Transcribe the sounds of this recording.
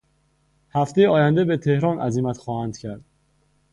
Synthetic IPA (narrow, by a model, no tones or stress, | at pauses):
hæft̪e̞jeɒːjænd̪e̞be̞t̪ʰe̞hɾɒːnʔæ̰zimæt̪xɒːhænd̪̥cʰæɾd̪̥